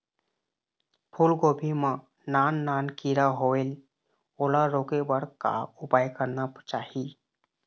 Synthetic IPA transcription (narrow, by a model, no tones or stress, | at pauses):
pʰulɡoːbʱimã | naːnːaːnkiɾaɦoel | oːlaɾoːkebəɽka̰ʊpaːjkəɾnat͡ʃaːɦi